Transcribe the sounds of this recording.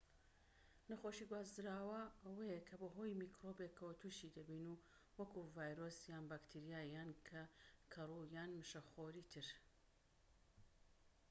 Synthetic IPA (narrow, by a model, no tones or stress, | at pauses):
nɐxoʃiɡwaːzd̪ɨɾaːwɐɐwɐjekʰɐbɐɦoːjmiːkɾobekʰːɐwɐt̪ʰuːʃid̪ɐbiːnu | wɐkʰuvaːjɾoːsjaːnbaːkt̪ʰiɾijaːjaːnkʰɐkʰɐrujaːnmɨʃɐxoːɾiːt̪ʰɨɾ